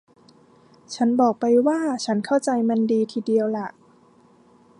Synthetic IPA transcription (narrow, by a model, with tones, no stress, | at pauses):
t͡ɕʰa˦˥nbɔː˨˩k̚pa˧jwaː˥˩t͡ɕʰa˦˥nkʰa˥˩wt͡ɕa˧jma˧ndiː˧t̪ʰiː˨di˧əwla˨˩ʔ